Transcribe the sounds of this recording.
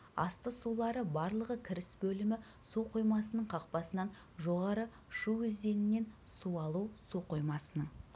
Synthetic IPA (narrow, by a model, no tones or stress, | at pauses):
ɑ̰st̪əsulˠɑɾəbɑɾlˠəʁəkʲʰɪɾɪsbɵlɪmɪ | suqʰujmɑsənəɴqʰɑq̚pɑsənɑn | ʒo̞ʁɑɾə | ʃuwʏzd̪e̞nɪnːe̞nsuɑlˠusuqujmɑsənəɴ